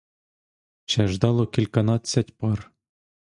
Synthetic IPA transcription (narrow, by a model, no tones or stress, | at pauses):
t͡ɕæʐd̪ɑlˠokʲilʲkɑnɑt̪sʲɑtʲpɑr